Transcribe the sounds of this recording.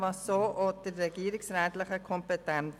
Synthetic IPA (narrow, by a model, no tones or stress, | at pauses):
vɑsːoːʔod̥əɾːɛɡiəɾɪksɾɛːt̪lɪχəkʰɔmpetɛn